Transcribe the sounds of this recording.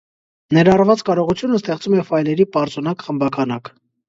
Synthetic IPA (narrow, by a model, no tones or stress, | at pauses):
nɛɾɑrvɑt͡skɑɾɔʁut͡sʰjunəst̪ɛχt͡sumɛfɑjlɛɾipɑɾt͡sɔnɑkχəmbɑkʰɑnɑk